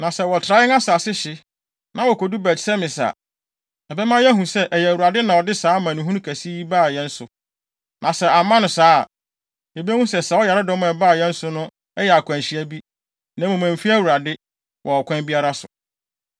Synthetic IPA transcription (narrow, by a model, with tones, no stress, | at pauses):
nã˨sɛ˦wɔ˨tʰɾa˦ɪ˦ŋa˦saː˨sɪ˦ɕɪ˦ | nã˨˦wɔ˨ko˨du˦bɛ˨tsɛ˦mɪ̃˨sa̰˨ | ɛ˨bɛ˦mã˦jɛ˦ɦũ˨sɛ˦ʔɛ˨jɛ˨wu˨ɾa˨dɪ˦nã˨wɔ˨dɪ˦saː˦mã˨nʊ̃˨ɦũ˦ñ˦kʰæ˨si˦i˦baː˦˨jɛ˦n̩˦sʊ˨ | nʔã˨sɛ˦a˨mã˦nʊ̃˨saː˦˨ | ɛ˨bi˦æ˦wũ˦sɛ˨sa˨˦wɔ˦ja˨ɾɪ˦dɔ̃˦m˦˨ɛ˨baː˦˨jɛ˦n̩˦sʊ˦nʊ̃˦ | ɛ˦jɛ˨a˨kʰʷã˨nɕi˨æ˦bi˦ | nã˨˦mũ˨mã˨m˨fi˦æ˦wu˨ɾa˨dɪ˦ | wʔɔ˨ɔ˨kʷʰã˦bi˦a˦ɾa˦sʊ˨